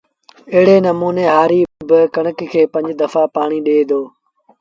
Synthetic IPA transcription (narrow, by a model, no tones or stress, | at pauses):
ɪɦɪɽeːnəmuːneːɦaːɾiːbɪkəɳəkkʰeːpə̃ɲd͡ʒd̪əfaːpaːɳ̃iːɗeːd̪oː